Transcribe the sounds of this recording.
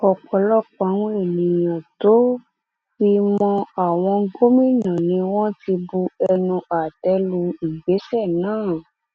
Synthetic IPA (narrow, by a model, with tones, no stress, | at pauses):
ɔ˨k͡pɔ˧lɔ˦k͡pã˨˧˦w̃e˦˨nĩ˨jã˨to˨˦ | fi˧mɔ̃˧a˦˨w̃ɔ̃˧ɡo˦mĩ˦˨nã˨nĩ˧w̃ɔ̃˦ti˧bu˧ɛ˧nũ˧a˨tɛ˨˧˦lu˧i˨ɡ͡be˨˦sɛ˦˨nãː˨˦˨